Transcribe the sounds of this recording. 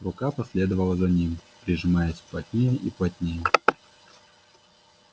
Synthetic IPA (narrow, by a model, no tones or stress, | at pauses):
rʊkapɐsʲlʲed̪əvəlˠəzɐnʲimpɾʲɪʐɨmajəsʲplˠɐtʲnʲejəʔiplˠɐt̪ʲnʲejə